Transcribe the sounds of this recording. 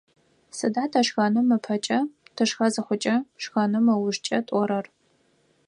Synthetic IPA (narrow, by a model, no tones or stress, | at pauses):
sɨdaːtʰɐʂɣɐnɨmɐpʰɐt͡ʃʼɐtʰɨʂxɐzɨχʷʊt͡ʃʼɐʂɣɐnɨmɐwʊʒt͡ʃʼɐtʼɔɾɐr